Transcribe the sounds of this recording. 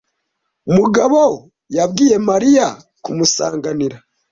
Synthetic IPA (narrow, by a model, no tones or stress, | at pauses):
umuɡaβo | jab̚ɡiːje̞maɾija | kumusa̰ːŋɡaniɾa